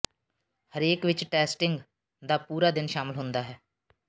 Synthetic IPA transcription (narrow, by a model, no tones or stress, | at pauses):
həɾeːkʋɪt͡ʃʈɛːsʈɪŋɡ | d̪aːpuːɾaːd̪ɪnʃaːmɪlɦʊ̃nd̪aːɦɛː